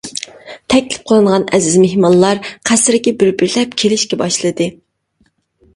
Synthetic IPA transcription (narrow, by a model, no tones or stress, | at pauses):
t̪ʰɛkʲlɪ̥p̚qʰəlˠɨɴʁɑnɛzɪzmehmɑnlˠɑɾqʰæsɾɪkʲibɪɾbɪɾlɛp̚kʲʰelɪʃkʲɛbɑʃlˠɨd̪ɨ